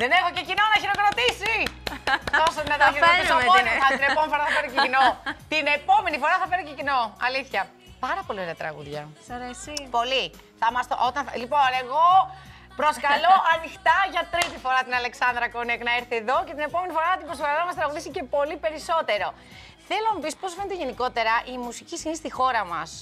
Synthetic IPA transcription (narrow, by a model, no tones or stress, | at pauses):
ðene̞xoce̞cino̞nɐçiɾo̞kɾɐt̪isi | t̪osɐt̪inɐt̪iðissomonoθɐineomenifoɾɐθɐfeɾocecinot̪inepo̞me̞nifo̞ɾɐθɐfeɾocecino̞ɐliθçɐ | pɐɾɐpo̞lioɾeɐt̪ɾɐ̰ɣṵðʝɐsɐɾesipo̞li | θɐmɐst̪oʔot̪ɐnɐlipo̞ne̞ɣo̞ | pɾo̞skɐlo̞ɐnixt̪ɐʝɐt̪ɾit̪ifo̞ɾɐt̪inɐle̞ksɐnd̪ɾɐkoneknɐeɾθieðo̞ce̞t̪ine̞po̞me̞nifo̞ɾɐɐt̪ibɾoskɐlɐmɐst̪ɾɐɣuðisice̞po̞lipe̞ɾiso̞t̪e̞ɾo̞ | θelonɐpisposfe̞net̪eʝe̞niko̞t̪e̞ɾɐʔimusicisinist̪ixo̞ɾɐmɐs